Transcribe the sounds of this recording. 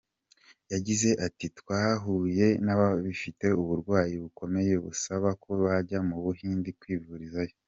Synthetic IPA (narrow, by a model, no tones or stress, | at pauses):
jaɟize̞ʔatitkwaːɦuːje̞naβaβifite̞uβuɾɡwaːjiβuko̞me̞je̞βṵsaβako̞βaɟamuβuɦiːndikwiːvuɾizajo